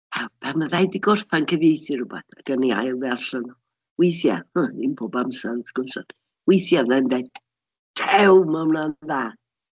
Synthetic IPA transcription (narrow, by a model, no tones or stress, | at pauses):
awpʰamaðajdiɡʊrfankʰəvjejθɨɾʊba̰θaɡ̥ənia̰jlˠdarɬanɔ | wɪjθja̰həninpʰoːbamsanθɡ̥ʊnsɔn | wɪjθjavnɛndɛ | tʰɛwmanaðaː